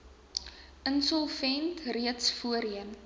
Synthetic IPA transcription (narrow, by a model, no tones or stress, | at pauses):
ʔənsɔlˠvɛntriətsfuəɾiən